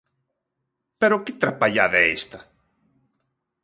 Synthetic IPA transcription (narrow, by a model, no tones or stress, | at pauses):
peɾokɪt̪ɾapaʎaðɛḛst̪a